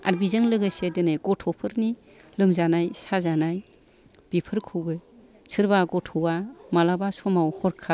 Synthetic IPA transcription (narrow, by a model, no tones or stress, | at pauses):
a̰ɾbizɯŋlɯɡɯsedenajɡɔtʰɔpʰɯɾni | lɯmzanajsazanaj | b̥ipʰɯɾkʰɯɡɯ | sɯɾbaɡɔtʰɔwamalabasɔmawhɔɾkʰa